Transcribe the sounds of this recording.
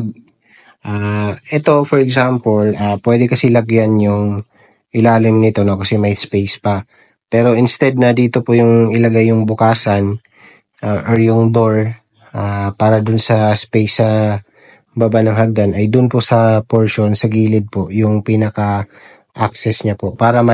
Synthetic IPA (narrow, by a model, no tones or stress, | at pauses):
ɡ | ʔaːʔɛt̪o̞fɔɹɛɡsampolaːpwɛːd̪ɛkɐsɛlɐɡjanjʊŋ | ʔɪlaːlɪmnɪt̪o̞no̞kɐsɛmɐjspejspɐ | pɛːɾo̞ʔɪnst̪ɛd̪̚nɐd̪iːt̪o̞pojʊŋʔɪlɐɡajːʊŋbʊkaːsɐn | ʔaʔoɹjʊŋd̪o̞ɹ | ʔaːpaːɾɐd̪ʊnsɐspejsːɐ | babanɐŋɦɐɡ̚d̪anɐjd̪ʊnposɐpoɹʃo̞nsɐɡiːlɪd̪̚po̞ʔjʊŋpiːnɐkɐ | ʔaksɛsɲapo̞ʔpaːɾɐmɐ